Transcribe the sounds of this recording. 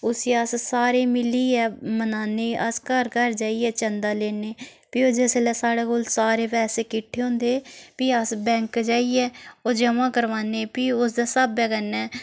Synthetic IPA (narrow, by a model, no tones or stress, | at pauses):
ʊsiːəssaːɾeːmɪliːɛːmənaːneːəskəɾkəɾd͡ʒaːiːɛːt͡ʃənd̪aːleːneː | piːod͡ʒeselɛːsaːɽeːkoːlsaːɾeːpɛːseːkɪʈʰːeːɦõːnd̪eːpiːəsbɛ̃ːŋkd͡ʒaːiːɛːoːd͡ʒəmãːkəɾʋaːneːpiːʊs̬d̪aːsəbɛːkənɛː